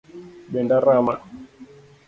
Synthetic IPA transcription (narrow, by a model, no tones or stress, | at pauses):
ɓɛndaɾama